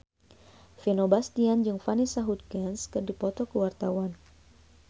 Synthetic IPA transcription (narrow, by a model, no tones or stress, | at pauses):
finobast̪iand͡ʒɨŋfanisaɦut̪̚kɛnskɨrdipɔt̪ɔkəwart̪awan